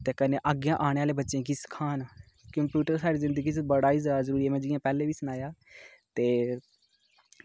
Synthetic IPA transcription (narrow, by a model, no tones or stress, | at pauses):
t̪eːkəneːʔaːɡjãːʔaːɽ̃eːaːleːbətːʃẽːɡiːskʰaːn | kə̃mpjuːʈəɾsaːɾiːzɪ̃nd̪əɡiːt͡ʃbəɽaːizaːzəɾuːɾieːmɛ̃ːd͡ʒɪjãːpɛːlẽːʋiːsʊñaːjaːt̪eː